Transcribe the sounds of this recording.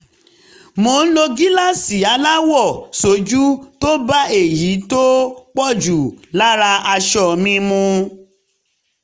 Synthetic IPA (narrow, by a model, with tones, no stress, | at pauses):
mo˧˦n̩˦lo˧ɡi˦la˦˨si˨a˨˦la˦wɔ˦˨so˨˦d͡ʒu˦to˦ba˦e˦˨ji˨˦to˦k͡pɔ˦˨d͡ʒu˨la˦ɾa˧a˧ʃɔ˦˨mĩ˦mũ˧